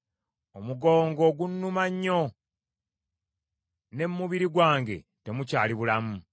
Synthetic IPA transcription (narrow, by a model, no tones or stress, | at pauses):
o̞muɡo̞ːŋɡo̞ːɡunːumaɲːo̞ | ne̞mːuβiɾiɡwaːŋɡe̞̰ | te̞mucaːliβulamu